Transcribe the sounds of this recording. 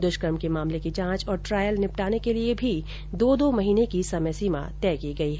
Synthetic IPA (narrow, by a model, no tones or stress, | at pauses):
d̪ʊʃkəɾmkemaːmlekit͡ʃãːt͡ʃɔːɾʈɾaːjəlnɪpʈaːnekeliebʱi | d̪oːd̪omɐɦiːnekisɐməsiːma̰t̪ɛːkiɡɐiɦɛ